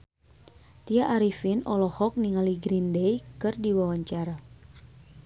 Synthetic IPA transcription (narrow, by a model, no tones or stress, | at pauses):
t̪iaʔaɾifinɔlɔhɔk̚niŋaliɡɾindɛjkɨrdiwawaɲt͡ʃaɾa